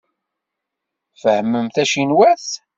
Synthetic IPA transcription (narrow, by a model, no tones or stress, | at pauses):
fəhmːəmθæʃinwæθ